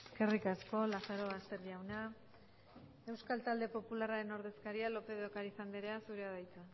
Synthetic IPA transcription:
eske̞rikasko̞laθaɾo̞βast̪e̞ɾðiawna | e̞wskalt̪ald̪e̞po̞pularaɾe̞no̞ɾðe̞skaɾialo̞pe̞ðokaɾifand̪eɾeasuɾeaðajt̪u

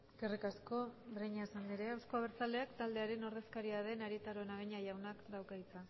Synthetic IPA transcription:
eskerikasko̞bɾejɲaesand̪iɾeawsko̞aβ̞eɾt͡sale̞akt̪ald̪e̞aɾe̞no̞ɾðe̞skaɾiaðe̞naɾit̪aɾo̞enaɣeɲaʝawnaklawkait͡sa

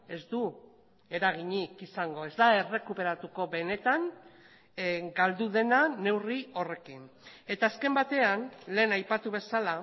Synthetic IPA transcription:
e̞zd̪u | e̞ɾaɣiɲikisaŋɡo̞e̞zd̪ae̞re̞kupe̞ɾat̪uko̞βe̞ne̞t̪aŋ | ɡald̪uðe̞nane̞wrio̞re̞kine̞t̪aːske̞mbat̪e̞anle̞ːnajpat̪uβ̞e̞sala

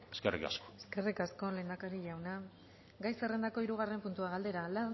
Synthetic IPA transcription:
eskerḭka̰skoeske̞rikasko̞le̞ːnd̪akaɾiʎawna | ɡajsere̞nd̪ako̞iɾuɣ̞are̞mpunt̪uaɣald̪e̞ɾala

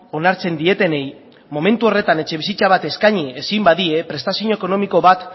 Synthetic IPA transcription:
o̞naɾt͡se̞nd̪ie̞t̪e̞ne̞j | mo̞me̞nt̪uo̞re̞t̪ane̞t͡ʃe̞β̞isit͡saβ̞at̪e̞skaɲiesimbaðie̞pɾe̞st̪asioɲoeko̞no̞miko̞βat̪

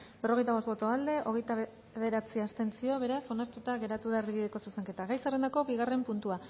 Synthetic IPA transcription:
be̞ro̞ɣe̞jt̪aβo̞st̪bo̞t̪oald̪e̞ʔo̞ɣe̞jt̪a | eðe̞ɾat͡siast̪e̞nt͡sio̞βe̞ɾaso̞naɾt̪ut̪aɣe̞ɾat̪uðaerβiβiðeko̞suse̞ŋke̞t̪aɣajsere̞nd̪ako̞biɣ̞are̞mpunt̪ua

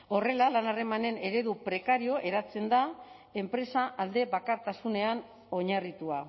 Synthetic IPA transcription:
o̞re̞lalanare̞mane̞ne̞ɾe̞ðupɾe̞kaɾio̞ʔe̞ɾat͡se̞nd̪a | e̞mpɾe̞saʔald̪e̞βakaɾt̪asune̞an | o̞ɲarit̪ua

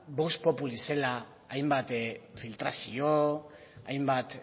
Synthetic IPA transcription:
bospo̞pulise̞laː | jmbat̪filt̪ɾasio | ajmbat̪

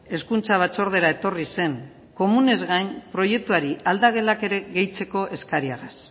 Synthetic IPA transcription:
e̞skunt͡saβ̞at͡so̞ɾð̞e̞ɾae̞t̪o̞rise̞ŋ | ko̞mune̞zɣajnpɾo̞je̞k̚t̪uaɾiald̪aɣ̞e̞lake̞ɾe̞ɣe̞jt͡se̞ko̞ʔe̞skaɾiaras

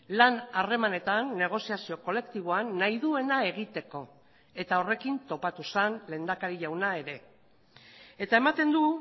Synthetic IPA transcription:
lanare̞mane̞t̪anːe̞ɣ̞o̞siasio̞ko̞le̞kt̪iβ̞o̞anːaiðue̞nae̞ɣ̞it̪e̞ko̞ | e̞t̪ao̞re̞kint̪o̞pat̪usanle̞ːnd̪akaɾiʎawnae̞ɾe̞ | e̞t̪ae̞mat̪e̞nd̪u

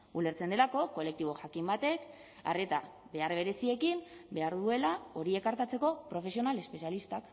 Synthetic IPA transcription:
ule̞ɾt͡send̪e̞lako̞ko̞le̞k̚t̪iβo̞ʝakimbat̪e̞k | a̰re̞t̪a | βe̞arβe̞ɾe̞sie̞kimbe̞aɾðue̞lao̞ɾie̞kaɾt̪at͡se̞ko̞pɾo̞fe̞s̬ionale̞spe̞sialist̪ak

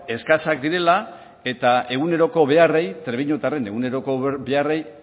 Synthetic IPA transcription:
e̞skasak̚d̪iɾe̞la | e̞t̪aʔe̞ɣ̞une̞ɾo̞ko̞βe̞are̞jt̪ɾeβiɲot̪are̞ne̞ɣune̞ɾo̞ko̞be̞are̞j

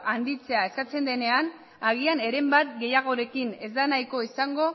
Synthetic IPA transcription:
and̪it͡se̞ae̞skat͡se̞nd̪e̞ne̞an | aɣ̞iane̞ɾe̞mbat̪ɡe̞jaɣ̞o̞ɾe̞kine̞zd̪anajko̞isaŋɡo̞

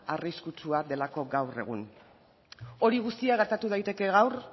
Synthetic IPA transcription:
ariskut͡ʃuad̪e̞lako̞ɡawre̞̰ɣ̞ṵn | o̞ɾiɣust̪iaɣ̞e̞ɾt̪at̪uðajt̪e̞ke̞ɣawr

